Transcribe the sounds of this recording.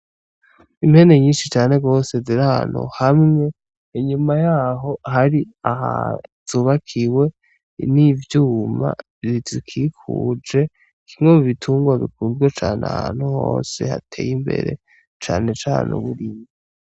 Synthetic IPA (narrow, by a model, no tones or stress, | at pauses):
imhe̞ne̞ɲiːnʃit͡ʃaːne̞ɡo̞ːse̞ziɾaa̰nṵhamŋe̞ | iɲumajaːɦo̞haɾiaɦa̰z̥uːβakʰiwe̞ | nivjuːma̰ | zizikʰikʰṵd͡ʒe̞ | kʰimŋomuβitʰuːŋɡwazikuːnzɡwet͡ʃaːna̰han̥huho̰ːse̞̰ha̰tʰe̞ːjimbe̞̰ɾe̞̰ | t͡ʃa̰ːne̞t͡ʃaːnṵβuɾiːmii